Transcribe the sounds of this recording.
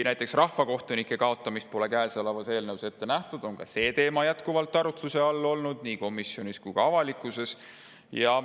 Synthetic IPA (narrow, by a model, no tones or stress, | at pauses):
næjt̪ːˑe̞ksrɑhfɑko̞ht̪unikːˑe̞kɑo̞t̪ːˑɑmist̪̚po̞le̞kæːselevɑse̞ːlnəwse̞t̪ːe̞næht̪ud̪̥o̞ŋkɑse̞ːt̪e̞ːmɑjæt̪kuvɑlt̪ːˑɑɾut̪luse̞ɑlːo̞lnud̪̥̚niːko̞misjo̞niskujɡ̥ɑɑvɑlikːˑuse̞s | jɑ